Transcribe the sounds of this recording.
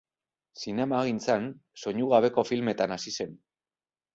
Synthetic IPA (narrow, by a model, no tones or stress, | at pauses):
sine̞maɣint͡sanso̞ɲuɣ̞aβe̞ko̞filme̞t̪anasise̞n